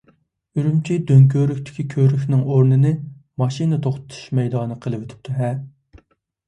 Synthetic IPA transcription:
yɾymt͡ʃʰid̪øŋkʲʰøɾykʲt̪ʰɪ̥kʲikʲʰøɾykʲnɪŋoɾnɨnɨmɑʃinɨt̪ʰoχt̪ʰʊ̥t̪ʰu̥ʃmɛjd̪ɑːnɨqʰəlˠɨwet̪ʰɪ̥p̚t̪ʰuɦɛ

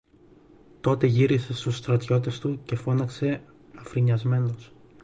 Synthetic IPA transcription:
t̪o̞t̪e̞ʝiɾise̞st̪usːt̪ɾɐt̪ço̞t̪̬e̞st̪uce̞fo̞nɐkse̞ | ɐfɾiɲɐzme̞nos

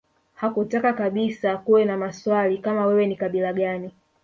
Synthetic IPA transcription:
hakutakakaɓisakuwɛnamaswalikamawɛwɛnikaɓilaɠani

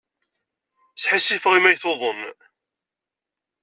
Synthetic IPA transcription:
θħasːifʁimæjθoðˤən

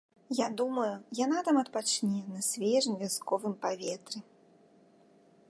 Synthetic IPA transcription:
jad̪umɐjujanat̪amɐt̪̚pat͡ʂnʲɛnɐsʲvʲɛʐɨnʲvʲaskɔvɨmpavʲɛt̪ɾɨ

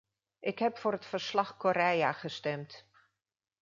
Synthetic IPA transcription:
ʔɪkɦɛpfʊːɾətfərslɑχkoɾɛjaχəstɛmt

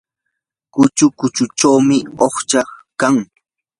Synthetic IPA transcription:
kʊt͡ʃʊkʊt͡ʃʊt͡ʃawmɪoχt͡ʃakaŋ

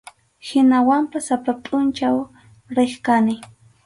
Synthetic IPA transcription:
hɪnawampasapapʼʊnt͡ʃaw | ɾɪχkanɪ

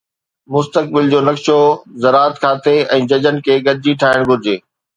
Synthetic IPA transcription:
mʊst̪ək̚bɪld͡ʑoːnɐkʃozɐɾaːət̪kʰaːt̪ʰeɛ̃ːd͡ʑɐd͡ʑən̆kʰeːɡɐɗ̚d͡ʑiʈʰaːɦɪɽ̃ɡʱʊɾɪd͡ʑeː

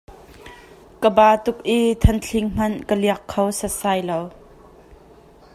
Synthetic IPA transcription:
kəbaːt̪ʊk̚ʔit̪ʰɐnt͡ɬʰɪŋm̥ɐnkəliɐkʰːowsəsaːjlow

